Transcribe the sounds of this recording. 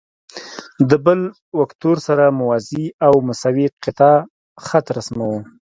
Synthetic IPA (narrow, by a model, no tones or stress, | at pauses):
d̪əbəl | wakt̪oɾsaɾamʊwaziawmʊsɑwiqɪt̪ɑ | xat̪ɾasmawu